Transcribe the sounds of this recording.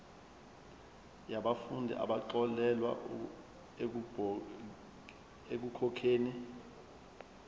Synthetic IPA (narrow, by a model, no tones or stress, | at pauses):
jaɓafundʱḭʔa̰ɓaǃɔlɛlwa̰ | ek̬ukʰɔkʰeːni